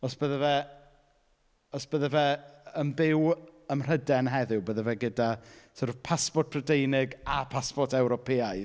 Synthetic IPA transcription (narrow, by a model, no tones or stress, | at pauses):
ɔsb̥əðɛvɛ | ɔsb̥əðɛvɛənbɪwəmr̥ədɛnɦɛðʊwbəːðɛvɛɡədasʊrvpʰaspɔt̚pʰrədejnɪɡapʰaspɔrtɛwɾɔpʰeajð